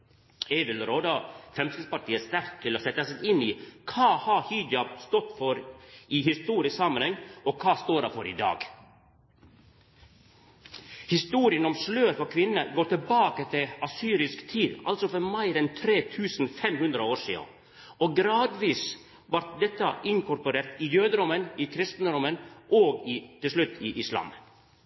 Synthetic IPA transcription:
ɛʋɪlɾoːd̪ɑfɾɛmsɪspɑʈʰiːəst̪æɾk̚t̪ʰɪloːsɛt̪ːəsɛɪniːkʰɑːhɑhyːd̪jɑst̪ɔt̪fɔɾiːhɪst̪uːɾɪsksɑmənhɛŋɔkʰɑːst̪oːdɑɾfɔɾḭd̪ɑ̰ːɡ | hɪst̪uːɾɪənɔmsløːɾfɔkʰʋɪnːəɡoːɾt̪ɪlbɑːkət̪ʰɪɑsyːɾɪskt̪ʰiːd̪ɑ̰lsɔfɔɾmæɪɾɛnt̪ʰɾeːt̪ʰʉːsn̩fɛmhʉnd̪ɾəoːʂḭːʊ̰ | oːɡɾɑːd̪ʋiːs | ʋɑɾt̪̚d̪ɛt̪ːəʔɪŋkʰʊɾpʊɾeːɾt̪ɪjøːd̪əɾʊmənɪːkʰɾɪst̪n̩ɾʊmənʔoːɡɪːt̪ɪlʂlʉt̪ʰːiːʔɪslɑ̰ːm

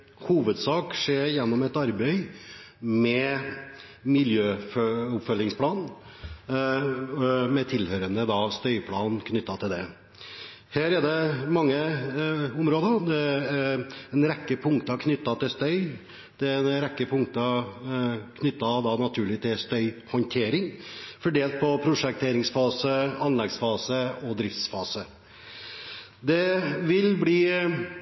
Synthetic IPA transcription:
huːʋəd̪sɑːkʂeːɾjɛnːɔmɛt̪ɑɾbɛɪ | mɛ | mɪljøːfʊpfœlːɪŋspʰlɑːn | mɛt̪ʰɪlhøːɾənəd̪ɑst̪œʏpʰlɑːnkʰnʏt̪ːɑt̪ʰɪld̪ɛ | hæːɾɛd̪ɛmɑŋːə | ʊmɾoːd̪əɾd̪ɛ | ɛnɾɛkːəpʰʊŋkt̪əɑkʰnʏt̪ːɑt̪ɪlst̪œʏ | d̪̥ɛɛnɾɛkːəpʰʊŋkt̪ə | kʰnʏt̪ːɑd̪ɑnɑt̪ʰʉːɭɪt̪ʰɪlst̪œʏhɔnt̪ʰeːɾɪŋfɔɖeːlt̪̚pʰɔpʰɾʊʂɛk̚t̪ʰeːɾɪŋsfɑːsəɑnlɛɡsfɑːsəɔd̪ɾɪft̪sfɑːsə | d̪ɛʋɪlbliː

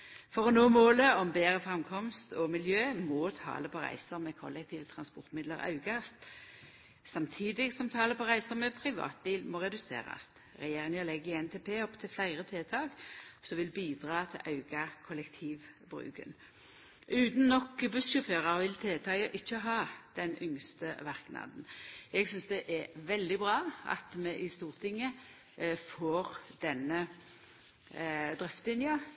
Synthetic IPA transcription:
fɔʁɔnoːmoːləɔmbeːʁəfʁɛmkʰɔmst̪ɔmɪljøːmɔːt̪ʰɑ̰ːləpʰɔʁæ̰ɪsəʁmɛkʰɔ̰lːɛk̚t̪ʰiːʋət̪ʰʁɑnspɔʁt̪mɪd̪ləʁɑ̰ʉɡɑst̪ | sɑmt̪ʰiːd̪ɪɡsɔmt̪ʰɑːləpʰɔʁæɪsəʁmɛpʰʁɪʋɑ̰ːt̪̚b̪iːlmoːʁɛd̪ʉsḛːʁɑ̰st̪ | ʁɛjeːʁɪŋəlɛɡəɛnt̪ʰeːpʰeːɔpt̪ʰɪlflæɪʁət̪ʰeːt̪ʰɑːɡsɔʋɪlbiːd̪ʁɑːt̪ʰɪ̰lʔɑʉɡ̥ɑkʰɔlɛkt̪ʰiːʋ | bʁʉ̰ːkə̰n | ʉːt̪n̩ːɔkbʉsɕʊføːʁɑʁʋɪlt̪ʰeːt̪ʰɑəʔɪçːəɦɑːd̪̥ɛnʔʏŋst̪əʋɑʁknɑ̰ːd̪n̩ɛɡsʏnsd̪ɛʔɛʋɛld̪ɪbʁɑːɑ̰t̪mɛʔɪst̪uːʁt̪ʰɪŋːə | foːʁd̪̥ɛnə | d̪ʁɪft̪ɪnjɑ

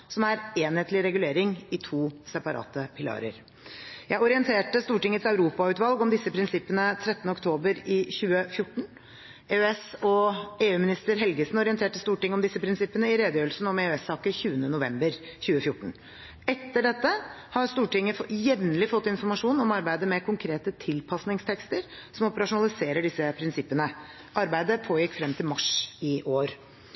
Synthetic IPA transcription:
sɔmæɾeːnheːt̪lɪɾɛɡʉleːɾɪŋɪt̪ʰuːsɛpɑɾɑ̰ːt̪əpʰɪlɑ̰ːɾə̰ɾ | jæɪɔɾɪənt̪ʰeːʈəst̪uːʈɪŋːət̪sɑʉɾuːpɑʉːt̪ʋɑlɡɔmd̪ɪsːəpʰɾɪnsɪpːənət̪ʰɾɛt̪ːnəɔkt̪ʰoːbəɾɪçʉːəfjʊʈːɳ̩ | eːøɛsɔeːʉːmɪnɪst̪əɾɦɛlɡəsnɔɾɪənt̪ʰeːʈəst̪uːʈɪŋːəɔmd̪ɪsːəpʰɾɪnsɪpːənəɪɾeːd̪əjøːɾəlsn̩ɔmeøɛsɑːkəçʉːənənʊʋɛmbəɾ | çʉːəfjʊʈːɳ̩ | ɛt̪ːəɖɛt̪ːəhɑɾst̪uːʈɪŋːəfjɛʋnəlɪfɔt̪ːɪnfɔɾmɑʂuːnɔmɑɾbæɪd̪əmɛkʰʊŋkʰɾeːt̪ət̪ʰɪlpʰɑsnɪŋst̪ʰɛkst̪əɾsɔmɔpəɾɑʂʊnɑlɪseːɾəɖɪsːəpʰɾɪnsɪpːənə | ʔɑɾbæɪd̪əpʰoːjɪkːfɾɛmt̪ʰɪlmɑʂɪʔoːɾ

